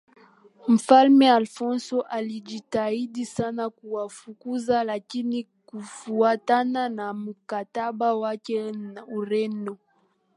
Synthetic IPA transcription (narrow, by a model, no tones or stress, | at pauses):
m̩falmɛalfɔnsɔʔalid͡ʒitaiɗisanakuwafukuzalakini | kufuatananamukataɓawakɛuɾɛnɔ